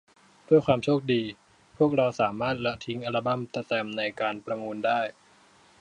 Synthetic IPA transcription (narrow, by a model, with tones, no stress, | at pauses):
du˥˩əjkwaː˧mt͡ɕʰoː˥˩k̚diː˧ | pʰu˥˩ək̚ɾa˧wsaː˩˦maː˥˩t̪̚la˧t̪ʰi˦˥ŋʔa˧ɾa˧˩ba˧˩mt̪a˧˥t̪ɛː˧mna˧jkaː˧npɾa˧muː˧ndaː˥˩j